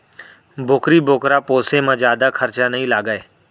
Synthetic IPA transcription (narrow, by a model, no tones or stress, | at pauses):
boːkɾiːboːkɾaːpoːsemãːd͡ʒjaːd̪akʰəɾt͡ʃanəɦĩːlaːɡəeː